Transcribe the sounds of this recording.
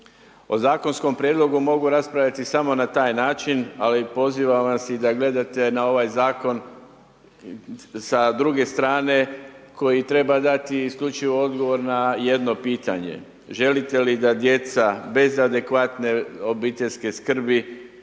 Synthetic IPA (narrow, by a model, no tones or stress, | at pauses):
o̞zaːko̞nsko̞mpɾʲjeːd̪lˠo̞ɡumo̞ɡuɾaspɾaʋʎat̪isamo̞nat̪aːjnaːt͡ʃinalipo̞ziʋaʋasid̪aɡle̞d̪at̪e̞nao̞ʋajzaːko̞n | sad̪ɾuɡe̞st̪ɾaːne̞ko̞jit̪ɾe̞bad̪at̪iːskʎʲut͡ʃiʋo̞o̞d̪ɡo̞ʋo̞ɾnaje̞d̪no̞piːt̪a̰ɲe̞̰ | ʒe̞lit̪e̞lid̪ad̪je̞t̪sabe̞zad̪e̞kʋat̪ne̞o̞biːt̪e̞ʎske̞skr̩bi